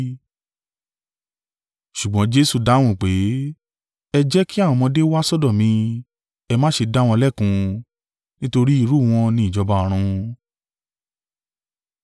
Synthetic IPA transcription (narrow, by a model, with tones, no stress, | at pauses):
ʃu˨ɡ͡bɔ̃˨˦d͡ʒe˦su˦˨da˨˦w̃ɔ̃˧˨k͡pe˨˦ | ɛ˧d͡ʒɛ˦ki˦a˦˨wɔ̃˧mɔ̃˧de˦wa˦sɔ˦˨dɔ̃˦˨mĩ˧ | ɛ˧mãː˦ʃe˧da˦wɔ̃˧lɛ˦˨kũ˨˧ | nĩ˦to˧ɾi˦i˦˧˨ɾu˦˨w̃ɔ̃˧nĩ˨i˨d͡ʒɔ˧ba˧˨ɾ̃ũ˧